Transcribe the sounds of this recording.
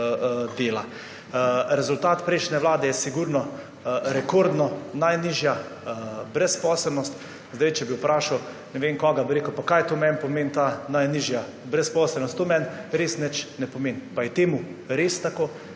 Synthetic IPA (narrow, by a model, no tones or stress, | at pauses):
d̪eːla | ɾɛzʊlt̪aːt̪pɾɛɪʃnɛʋlaːd̪ɛjɛsiɡuɾnɔ | ɾɛkoɾd̪nɔnajniːʒja | bɾɛspɔsɛlnɔst̪ | zd̪ajt͡ʃɛbiwpɾaːʃaw | nɛʋenkɔɡabiɾeːkəwpakajt̪omɛnpɔmeːnt̪anajniːʒja | bɾɛspɔːslɛlnɔst̪t̪ːoːmɛnɾeːsnɛt͡ʃnɛpɔmenpajɛt̪eːmuɾeːst̪akoː